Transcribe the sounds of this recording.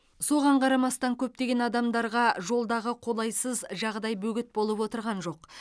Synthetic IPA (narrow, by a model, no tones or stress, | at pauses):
so̞ʁɑɴqʰɑɾɑmɑst̪ɑŋkʲʰɵp̚t̪e̞ɡʲe̞nɑd̪ɑmd̪ɑɾʁɑʒo̞lˠd̪ɑʁəqʰo̞lˠɑjsəzʒɑʁd̪ɑjbɵɡʲɪt̪̚bo̞lˠəpwo̞t̪əɾʁɑnʒo̞q